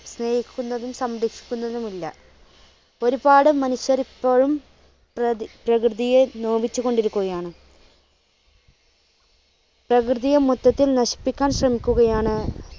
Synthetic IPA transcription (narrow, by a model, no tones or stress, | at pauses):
sne̞ːhikʲːunːɐðumsɐmɾikʂi̥kʲːunːɐðumilːɐ | o̞ɾubaːɽɨmɐnuɕjɐripːoːɻum | prɐkrɨðijenoːʋit͡ɕːuɣo̞ɳɖiɾukʲːuɣɐjaːɳɨ | prɐkrɨðijɐmut̪ːɐt̪ːilnɐɕi̥pːikʲːaːnɕrɐmikʲːuɣɐjaːɳɨ